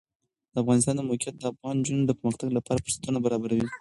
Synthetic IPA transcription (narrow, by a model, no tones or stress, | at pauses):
d̪̥əafɣɑnɪs̬t̪ɑnd̪əmokijat̪̚d̪əafɣɑnd͡ʒund̪əpəɾməxt̪aɡlapɑɾapəɾsḁt̪ənabaɾɑbaɾawi